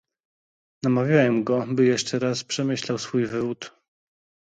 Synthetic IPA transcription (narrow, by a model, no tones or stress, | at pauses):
namavʲjawɛmɡɔbɘjɛʂt͡ʂɛɾaspʂɛmɘɕlawsfujvɘvut̪